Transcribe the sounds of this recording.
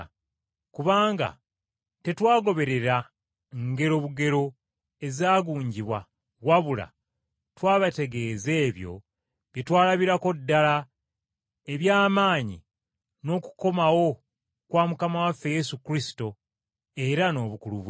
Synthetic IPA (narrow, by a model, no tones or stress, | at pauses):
kuβaːŋɡa̰ | te̞twaːɡo̞βe̞ɾe̞ɾa | ŋɡe̞ɾo̞βuɡe̞ɾo̞ | e̞zaːɡuːɲɟiβwa | waβula̰ | twaːβate̞ɡe̞ːze̞ːβjo̞̰ | βjetwaːlaβiɾako̞dːala | e̞βjaːmaːɲḭ | no̞ːku̥ko̞mawo̞ | kwaːmukamawafːe̞je̞sukɾisi̥to̞ | e̞ɾano̞ːβukuluβ